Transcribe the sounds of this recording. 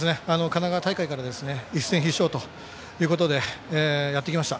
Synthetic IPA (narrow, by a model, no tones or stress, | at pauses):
sɨneano̞kanaɡat̪aikaikaɾad̪e̞sɨne̞isːẽ̞ɰ̃çiɕːo̞ːt̪o̞ | jɯ̟ːko̞t̪o̞d̪e̞ːjat̪ːekʲimaɕi̥t̪a